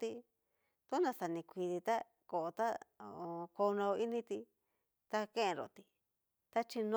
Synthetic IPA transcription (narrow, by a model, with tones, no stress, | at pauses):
t̪i˧ | t̪u˦nã˧sa˨nĩ˧kʷi˧ði˧t̪a˦ | ko˨o˧t̪a˦o˨o˧ko˧nã˧o˧i˦nĩ˧t̪i˧ | t̪a˧kẽ˦ẽ˧ɾo̰˨t̪i˧ | t̪a˦t͡ʃi˧nõ˧